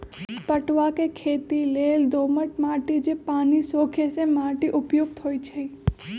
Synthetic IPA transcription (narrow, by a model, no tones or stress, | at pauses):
pəʈʋakekʰeːt̪ileːld̪oːməʈmaːʈid͡ʒepaːnisoːkʰesemaːʈiʔʊpjoɡ̚t̪ɦoːit͡ʃʰɐi